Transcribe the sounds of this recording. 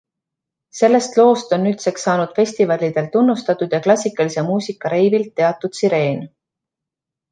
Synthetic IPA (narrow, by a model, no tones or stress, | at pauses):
se̞lːe̞st̪lo̞ːst̪o̞nːyt̪se̞ksɑːnud̪̥fe̞sʲt̪ivɑlʲid̪̥e̞lt̪unːust̪ɑt̪ːˑud̪̥jɑklɑsʲikːˑɑlise̞muːsʲikːɑɾe̞jbilt̪ːe̞ɑt̪ːˑud̪̥siɾe̞ːn